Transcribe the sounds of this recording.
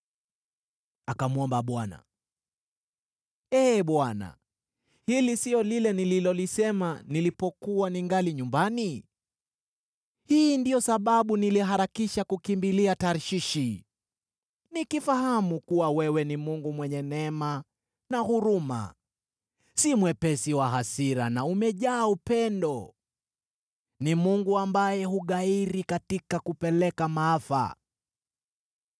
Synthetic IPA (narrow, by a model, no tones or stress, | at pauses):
akamuɔmbaɓwana̰ | ɛɓwana̰ | hilisiɔlilɛnililɔlisɛmanilipɔkuwaniŋɡaliɲumbani | hiːndijɔsaɓaɓuniliɦaɾakiʃakukimbiliataɾʃiʃi | nikifahamukuwawɛwɛnimuŋɡumwɛɲɛnɛma | nahuɾuma̰ | simwɛpɛsiwaɦasiɾa̰naumɛʄaːupɛndɔ | nimuŋɡuambajɛhuɠaiɾikatikakupɛlɛkamaafa̰